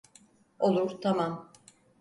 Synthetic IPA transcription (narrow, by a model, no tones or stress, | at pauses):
o̞lˠuɾt̪ʰamam